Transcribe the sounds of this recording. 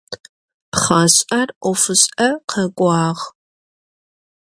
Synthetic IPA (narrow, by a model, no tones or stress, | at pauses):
pχɑːɕʼɐrʔʷɔfɨɕʼɐqʰɐkʷʼɑːʁ